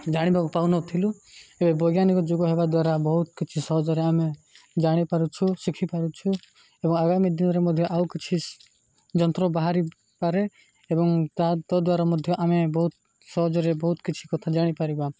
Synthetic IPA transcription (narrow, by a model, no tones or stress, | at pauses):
d͡ʒaɽ̃ibakupawnɔt̪ʰiluebebɔɡjanikɔd͡ʒoɡɔɦebad̪waɾabɔɦut̪kit͡ʃʰisɔɦɔd͡ʒɔɾeamẽ | d͡ʒaɽ̃ipaɾut͡ʃʰusikʰipaɾut͡ʃʰu | ebɔŋaɡamid̪inɔɾemɔd̪ʱjɔʔaukit͡ʃʰi | d͡ʒɔnt̪ɾɔbaɦaɾi | paɾe | ebɔŋt̪at̪ɔd̪waɾamɔd̪ʱjɔʔamebɔɦut̪̚ | sɔɦɔd͡ʒɔɾebɔɦut̪kit͡ʃʰi̥kɔt̪ʰad͡ʒaɽ̃ipaɾiba